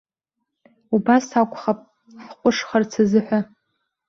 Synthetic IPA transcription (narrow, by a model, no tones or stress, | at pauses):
ubasakʷʼχapʼ | ħqʷʼʊʂχart͡sʰazɨħʷᶣa